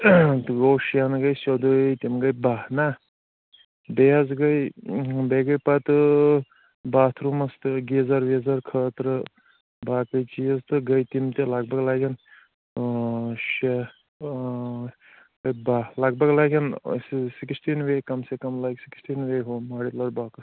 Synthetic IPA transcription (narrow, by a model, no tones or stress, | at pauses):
t̪ɨɡoʃanɡɐjsɐd̪ut̪imɡɐjbaːna | beɐzɡɐjbeɡɐjpat̪ɨ | baːt̪ʰɾumɐst̪ɨɡezɐɾʋezɐɾkʰəːt̪ɾɨ | baːkɐjt͡ʃijɐzt̪ɨɡɐjt̪imt̪elɐɡbɐɡlaːɡʲɐn | ʃe | ɡɐjbaːlɐɡ̚bɐɡlaːɡʲɐnssiksʈinʋekɐmsekɐmlaːɡʲsiksʈinʋeɦomaːɽit̪lɐɾbaːkɐst̪